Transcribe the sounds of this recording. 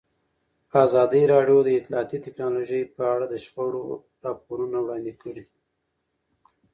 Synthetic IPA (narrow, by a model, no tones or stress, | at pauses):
azɑd̪əɾɑɖjod̪əɪt̪lɑːt̪it̪ɪknɑloʒəjpəaɽad̪əʃpaɽo̰ | ɾɑpoɾunawɽɑnd̪ikʰəɽi